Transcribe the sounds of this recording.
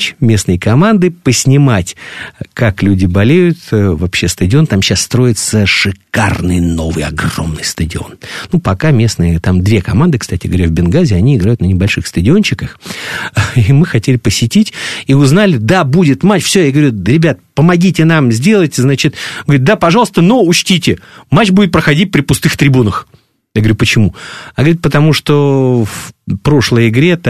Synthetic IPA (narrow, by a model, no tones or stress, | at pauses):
t͡ɕmʲe̞snəjkɐmand̪ɨpəsʲnʲɪmatʲkaklʲudʲɪbɐlʲejʊt̪vɐpɕːe̞st̪ədʲɪo̞nt̪amɕːasːt̪ɾo̞jɪt̪səʂɨkarnɨjno̞vɨjɐ̰ɡro̞̰mnɨjst̪ədʲɪo̞̰nnupɐkamʲe̞snɨjət̪amd̪vʲe̞kɐmand̪ɨkst̪atʲɪɡəvɐɾʲavbʲɪnɡazʲɪɐnʲiɪɡɾajʊt̪nənʲɪbɐlʲʂɨxst̪ədʲɪo̞nɕɪkəx | imɨxɐtʲelʲɪpəsʲɪtʲitʲiʊznalʲɪd̪abudʲɪt̪mat͡ɕfsʲojaɡəvɐɾʲuɾʲɪbʲat̪pəmɐɡʲitʲɪnamzʲdʲelˠəjtʲznat͡ɕɪt̪ɡəʋɐɾʲʊd̪apɐʐɑlˠəst̪ənuʊt͡ɕtʲitʲɪmat͡ɕːbudʲɪt̪pɾəxɐdʲit̚ʲpɾʲɪpʊst̪ɨxt̪ɾʲɪbunəx | jaɡəɐɾʲupət͡ɕɪmujaɡəvɾʲɪt̪pət̪ɐmuʂt̪ofpɾo̞ʂlˠəjɪɡɾʲet̪